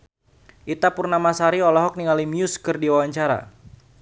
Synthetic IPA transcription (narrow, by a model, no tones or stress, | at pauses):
ʔit̪apʊrnamasaɾiɔlɔɦɔk̚niŋalimiʊskərdiwawaɲt͡ʃaɾa̰